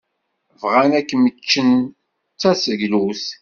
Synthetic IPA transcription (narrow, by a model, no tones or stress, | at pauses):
vʁænækːmət͡ʃːən | t͡sːæsəʝluθ